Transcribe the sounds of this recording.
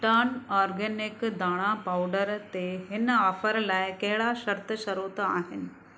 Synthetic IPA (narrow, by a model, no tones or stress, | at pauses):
ʈanɔɾɡenikd̪aɽ̃ãpawɖəɾt̪eɦinafəɾlajkeɭaɕəɾt̪əɕəɾot̪a̰ɦen